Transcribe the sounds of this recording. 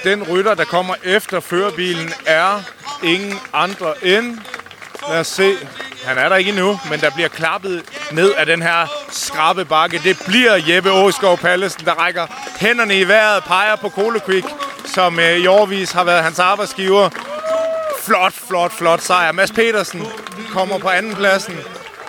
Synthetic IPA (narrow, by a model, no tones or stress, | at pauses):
d̥enʁyɾɐd̥ɑ̈kʰɒ̽m̰ɐʔefd̥ɐføːɐb̥ḭːln̩æɐe̝ŋn̩ɑ̈nd̥ʁɐʔen | leɐse̝̰ːhænæɐɾɑ̈e̝ɡ̥ənumend̥ɑ̈b̥liɐkʰlɑ̈b̥ð̞̩ˠne̝ð̞̰ˠæd̥enɦæɐ̰sɡ̥ʁɑ̈b̥əb̥ɑ̈ɡ̥əd̥e̝b̥liɐ̰jeb̥əɔːsɡ̥ɒʊpʰæləsn̩d̥ɑ̈ʁaɡ̥ɐhen̰ɐnəiʋæɐ̰ð̩ˠpʰɑ̈ɪɐpʰɒ̽kʰo̝ːləkʰwiɡ̥sɒ̽miɒʊɐʋḭːshɑ̈ʋæːɐðˠɦænsɑ̈ːb̥ɑ̈ɪd̥sɡ̥iːʊɐ | flɒ̽d̥flɒ̽d̥flɒ̽d̥sɑ̈ɪɐmæspʰe̝̰ːɾɐsn̩kʰɒ̽m̰ɐpʰɒ̽ænn̩pʰlæsn̩